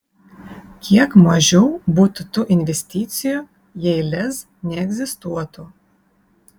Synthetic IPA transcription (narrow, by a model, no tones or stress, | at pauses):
kʲʰiɛkmɐʒʲɛʊbuːt̪ʊt̪ʊʔɪnʲʋʲɛsʲt̪ʲiːt̪sʲɪju | jɛɪlʲɛs | nʲɛɛɡʲzʲɪst̪uɔt̪u